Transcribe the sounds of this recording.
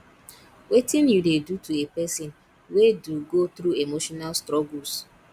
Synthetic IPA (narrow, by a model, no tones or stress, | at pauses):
wetɪ̃njudedutʰuepɛsĩn | weduɡot̪ɾuemoʃɔnalstɾɔɡuls